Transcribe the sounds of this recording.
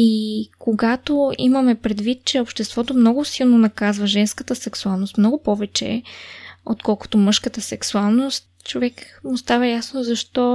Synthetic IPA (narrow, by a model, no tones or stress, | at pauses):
ikoɡat̪oḭmɐmɛpɾɛd̪vit̪̚t͡ʃɛopʃt̪ɛst̪vɔt̪omnɔɡʊsilˠnonɐkazvəʒɛnskət̪əsɛksualˠnost̪mnɔɡʊpɔvɛt͡ʃɛ̰ | ot̪kɔlˠko̥t̪omɤʃkət̪əsɛksualˠnost̪ | t͡ʃovɛkmʊst̪avəjasnozɐʃt̪ɔ